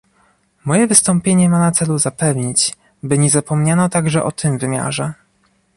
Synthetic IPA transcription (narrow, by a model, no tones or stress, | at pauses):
mɔjɛvɘst̪ɔmpʲjeɲɛmanat̪sɛluzapɛvɲit͡ɕ | bɘɲɛzapɔmɲanɔt̪aɡʐɛʔɔt̪ʰɘmvɘmʲja̰ʐɛ